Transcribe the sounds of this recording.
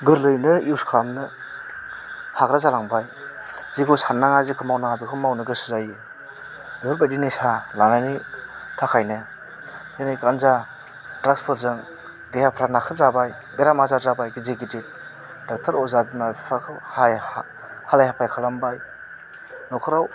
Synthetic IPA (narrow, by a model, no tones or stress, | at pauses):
ɡɯɾlɯjnɯuwskʰamnɯ | hakɾazalaŋbaj | ziɡɯsanːaŋazikʰɯmawnaŋabikʰɯmawnɯɡɯsɯ̥zajɯ | ɯbɯɾbajdinisalaŋanitʰakʰajnɯ | enijkanza | dɾak̚spʰɯɾzɯŋ | dehapʰɾanakʰɯzabaj | beɾamazaɾzabajɡizeɡitit̚ | dak̚tʰɯɾɔzadnapʰakʰɯhaj | halajhapʰajkʰalambaj | nɔkʰɯɾaw